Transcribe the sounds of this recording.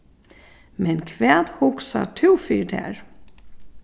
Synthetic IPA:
mɛnkʰvɛːd̪hʊksa̰ʈʰʉːfyːɖɛ̰ːɾ

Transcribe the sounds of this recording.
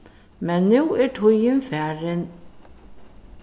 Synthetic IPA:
mɛnːuːæʈʰujənfæɹən

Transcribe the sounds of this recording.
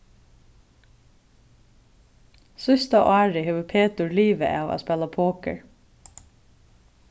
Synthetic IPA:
sʏst̪aʔɑːɹɪheːʋəpʰeːt̪ʊɹliːʋə̰ʔɑːʋa̰spɛːlapʰoːkə̰ɹ

